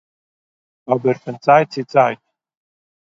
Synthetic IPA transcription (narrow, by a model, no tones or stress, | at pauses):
abɛrfɛnt͡sʼajtt͡sʰit͡sʼajt